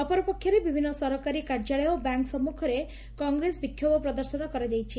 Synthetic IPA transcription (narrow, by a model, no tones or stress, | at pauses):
ɔpɔɾɔpɔkʰjɔɾebibʱinːɔsɔɾɔkaɾikaɾd͡ʒaɭɔjɔbaŋksɔmukʰɔɾe | kɔŋɡɾesbikʰjobɔpɾɔd̪ɔɾsɔnɔkɔɾad͡ʒajt͡ʃʰi